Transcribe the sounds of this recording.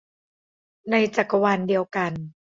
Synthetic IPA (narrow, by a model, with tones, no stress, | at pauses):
na˧jt͡ɕa˨˩ka˧wa˧ndi˧əwka˧n